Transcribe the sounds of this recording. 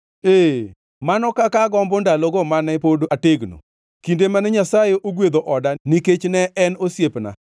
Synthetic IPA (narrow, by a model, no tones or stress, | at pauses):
e | manɔkakaɡɔmbɔndalɔɡɔmanɛpodoateɡno̰ | kindemanɛɲasajeʔoɡwed̪oʔɔdaniket͡ʃnɛʔɛnosjepna̰